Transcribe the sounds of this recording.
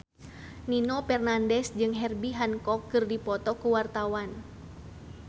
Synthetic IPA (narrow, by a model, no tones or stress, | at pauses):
ninobɛrnandɛsd͡ʒɨŋɦɛrbiɦankɔkːɨrdipɔt̪ɔkuwart̪awan